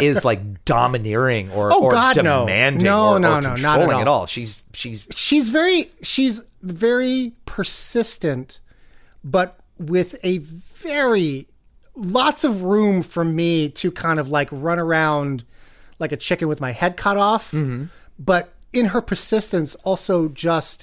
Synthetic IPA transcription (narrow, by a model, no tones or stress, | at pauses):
ɪzlaɪk̚d̥ɑmɨnɪɹɪ̃ŋə˞oʊɡɑdɨnoʊæ̰̃ndnoʊnoʊnnoʊnəɾəɔŋɨɾɔ̰lˠʃiz̥ʃizʃizvɛɹiʃiz | vɛɹipʰə˞sɪstɨ̃nt | b̥ʌt̚ | wɪðɨvɛɹi | lɑtsʌvɹũɱfə˞miɾɨkʰãɪ̃ndʌvlaɪkɹʌ̃nə˞ãʊ̃ndlaɪkɨt͡ʃʰɪkɨ̃nwɨðmaɪhɛd̚kʰʌɾɔf̩ | b̥ʌɾɨ̃nə˞pʰə˞sɪstɨ̃nsɔlˠsoʊd͡ʒʌst̚